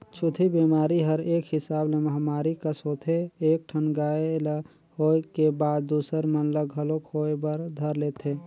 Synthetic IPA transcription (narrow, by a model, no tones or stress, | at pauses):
t͡ʃʰut̪ʰibemaɾiɦəɾekɦɪsableməɦmaɾikəsɦot̪ʰeːk̚ʈʰənɡael | hoekebad̪̚d̪ːusəɾmənləɡɦəlokhoebəɾd̪ʱəɾlet̪ʰe